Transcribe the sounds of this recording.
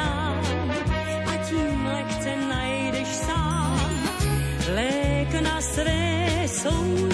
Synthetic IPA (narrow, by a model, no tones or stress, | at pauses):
a | ʔacimlɛkt͡sɛnajɛdɛʃsaːm | lɛknasvɛːsow